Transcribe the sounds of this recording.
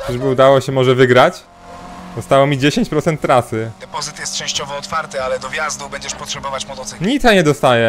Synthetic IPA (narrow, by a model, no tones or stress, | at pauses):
ʐbɘud̪awɔɕɛmɔʐɛvɘɡɾat͡ɕ | d̪ɔst̪awɔmʲid͡ʑeɕeɲt͡ɕpɾɔt̪ɛnt̪ːɾasɘd̪ɛpɔzɘt̪jɛst̪t͡ʂɛ̃ɕt͡ɕɔvɔːt̪faɾt̪ɨalɛd̪ɔvʲjazd̪ubɛɲd͡ʑɛʂpɔtʂɛbɔvat͡ɕmɔt̪ɔt̪sɛɲisaɲɛd̪ɔst̪ajɛ